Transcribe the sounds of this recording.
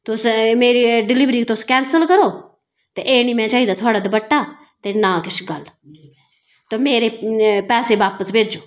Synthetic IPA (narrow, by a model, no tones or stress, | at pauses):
t̪ʊsmeːɾiɖɪlɪʋɾiːkt̪ʊskɛ̃ːnsəlkəɾoː | t̪eʔeːniːmɛ̃ːt͡ʃaːiːd̪aːt̪ʰʊaːɽaːd̪bəʈːaː | t̪eːnãːkɪʃʰɡəl | t̪oːmeːɾeːpɛːseːʋaːpəsbeːd͡ʒoː